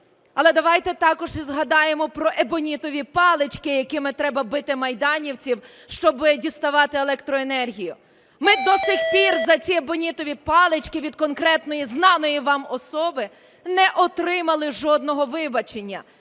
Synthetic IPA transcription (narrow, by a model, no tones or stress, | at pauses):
ɐlˠɛd̪ɐʋɑjt̪ɛt̪ɑkɔʒizɦɐd̪ɑjemɔpɾɔʔebɔnʲit̪ɔʋʲipɑlˠet͡ʃkɪjɐkɪmɪt̪ɾɛbɐbɪt̪ɪmɐjd̪ɑnʲiwt͡sʲiw | ʃt͡ʃɔbɪdʲist̪ɐʋɑt̪ɪelˠɛkt̪ɾɔenɛrɦʲijʊ | mɪd̪ɔsʲixpʲirzɐt͡sʲiebɔnʲit̪ɔʋʲipɑlˠɪt͡ʃkɪʋʲid̪̚kɔnkɾɛt̪nɔjiznɑnɔjiʋɑmɔsɔbɪ | nɛʔɔt̪ɾɪmɐlˠɪʒɔd̪̚nɔɦɔʋɪbɐt͡ʃenʲːɐ̰